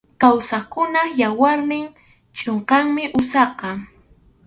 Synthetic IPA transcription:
kawsakʊnajawaɾnɪŋ | t͡ʃʼoɴqɑŋmɪʔʊsɑqɑ

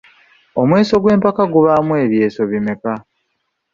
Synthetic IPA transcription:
o̞mwe̞ːso̞ɡwe̞ːmpakaɡuβamwe̞ːβje̞ːso̞βime̞ka

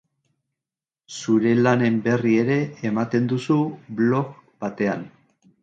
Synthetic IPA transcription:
suɾe̞lane̞mbe̞rie̞ɾe̞ːmat̪e̞nd̪usuβlo̞kb̥at̪e̞an

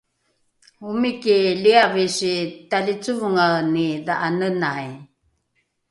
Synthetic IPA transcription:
umikiliavisitalit͡suvuŋanidaʔanənaj

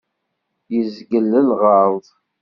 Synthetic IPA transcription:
jəzɡəlːəlʁəɾˤðˤ

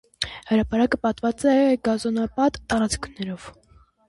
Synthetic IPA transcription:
həɾɑpɑɾɑkəpɑt̪vɑt͡sɛɡɑzɔnɑpɑt̪ːɑɾɑt͡skʰnɛɾɔv̥

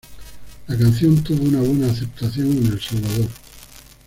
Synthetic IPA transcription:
lakanθjõ̞nt̪uβounaβ̞we̞naːθe̞p̚t̪aθjo̞ŋene̞lsalβaðo̞ɾ

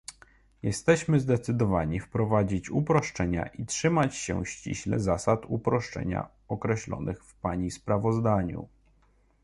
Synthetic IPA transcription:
jɛst̪ɛɕmɘzd̪ɛt̪sɘd̪ɔvaɲifpɾɔvad͡ʑit͡ɕupɾɔʂt͡ʂɛɲa̰ʔitʂɘmat͡ɕɕɛ̰ɕt͡ɕḭɕlɛzasat̪upɾɔʂt͡ʂɛ̰ɲa̰ | ɔkɾɛɕlɔ̰nʔɘxfpaɲispɾavɔzd̪aɲṵ

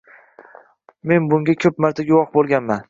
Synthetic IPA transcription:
me̞nbʊŋɡʲakʲʰɵpmaɾt̪ʰaɡʲʊwɒqbolˠɡʲanman

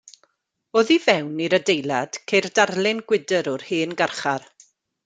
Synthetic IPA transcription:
oːðivɛwniɾədejlˠad̥kʰejrdarlˠɪnɡwɪdəɾɔrheːnɡarχar

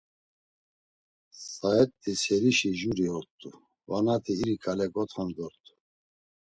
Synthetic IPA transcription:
saɛt̪ʼːisɛɾiʃiʒuɾiɔɾt̪ʼu | vanat̪ʰiːɾikʰʼalɛkʼɔt̪ʰχand̪ɔɾt̪ʰʼu̥

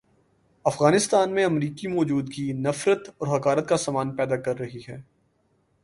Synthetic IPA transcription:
ɐfɣaːnɪst̪aːnmẽɐmɾiːkimɔːd͡ʒuːd̪kinɐfɾət̪ɔːɾɦɐkaːɾət̪̚kasaːmaːnpɛːd̪akɐɾːɐɦiɦɛː

